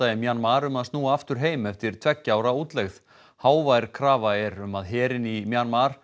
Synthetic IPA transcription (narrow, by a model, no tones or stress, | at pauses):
aːjɪmjanmaɾʏmaðst̪uːaaft̪ʏɾ̥ɦeːjmɛft̪ɪɾ̥t̪ʰvɛcːaːwɾauːt̪lɛɣð | haːwvajɾkʰɾaːvaɛɾʏmaðɦɛːɾɪnimjanmaɾ̥